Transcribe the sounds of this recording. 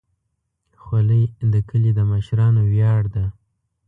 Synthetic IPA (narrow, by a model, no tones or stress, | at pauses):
xwaləjd̪əkʰəlid̪əməʃɾɑnowjɑɽd̪a